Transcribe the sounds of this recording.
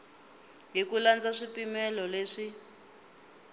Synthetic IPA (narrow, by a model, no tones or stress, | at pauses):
ɦikuland͡zaʂipimɛlɔleːʂi